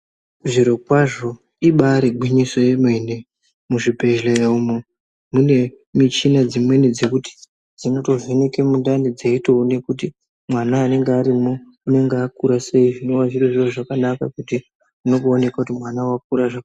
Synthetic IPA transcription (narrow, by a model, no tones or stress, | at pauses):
ʐiɾokwaʐo̞ | iɓaɾeɡʱwiɲiso̞jemwene | muʐipe̞ʒleeumo | mune̞ | mit͡ʃinad͡zimwe̞nid͡ze̞kuti̥ | d͡zino̞to̞ʐeneke̞mundanid͡zeitoune̞kuti | mwanaːne̞ŋɡeaɾimo | une̞ŋɡeakuɾaseiʐino̞waʐiroʐiroʐakanakakuti | uno̞kuːne̞kakutimwanawak̚uɾaʐa